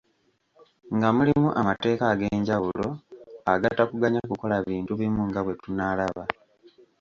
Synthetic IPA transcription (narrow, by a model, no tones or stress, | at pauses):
ŋɡamulimuʔamate̞ːkaɡe̞ːɲɟawulo̞aɡatːakuɡaɲakuko̞laβiːntuβimuŋɡaβwe̞tunaːlaβa